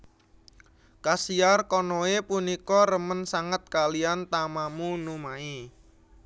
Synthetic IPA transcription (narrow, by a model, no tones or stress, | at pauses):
kasiarkɔnoepunikɔɾəmənsaŋət̪̚kaliant̪amamunumai